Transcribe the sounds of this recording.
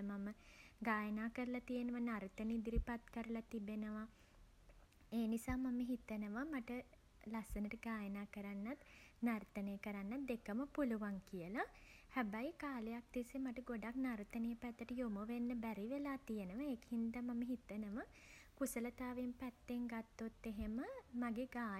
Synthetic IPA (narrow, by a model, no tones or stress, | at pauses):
maməɡaːjənaːkəɾəlat̪ijənəʋanaɾt̪ənid̪iɾipat̪kəɾəlat̪ibenəʋa | eːnisaːmaməɦit̪ənəʋamaʈə | lasənəʈəɡaːjənaːkəɾanːat̪nart̪ənəjəkəɾanːat̪̚d̪ekəməpuluʋaŋkijəlahæbajikaːlejak̚d̪isemaʈəɡoɖaknaɾt̪ənejəpæt̪ːəʈəjomoʋenːəbæɾiʋelaːt̪ijənəʋaekhind̪amaməɦit̪ənəʋə | kusələt̪aːʋimpæt̪ːeŋɡat̪ːot̪ːeɦeməmaɡeɡaː